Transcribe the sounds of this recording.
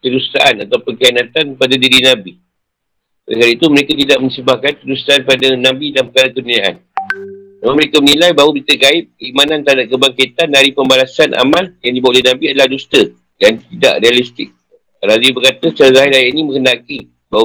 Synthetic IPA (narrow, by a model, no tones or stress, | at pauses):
t̪ədust̪aʔanat̪awpənkanat̪anpadadiɾinabi | kala̰kaɾait̪uməɾekat̪idaʔmə̃ɲsəbahkant̪ədust̪aanpadanabidalampəkaɾakənuijaʔa̰n | namanməɾekamənilajbaɦubit̪əkaɪt̚kimanãnt̪aɦadakəbaŋkit̪anːaɾipəmbalasanʔa̰maljaŋdibawʔlanabiadalahdust̪ə | dant̪ida̰ʔrealist̪ɪk̚ | ɾazibərkat̪ət͡ʃaɾazaɦaɾajaʔinimə̃ŋkənaki | ba